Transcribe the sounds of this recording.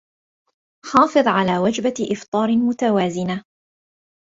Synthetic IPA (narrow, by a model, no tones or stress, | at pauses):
ħɑːfɨðˤʕalaːwad͡ʒbaʔɪft̪ˤɑːɾmʊt̪awaːzɪna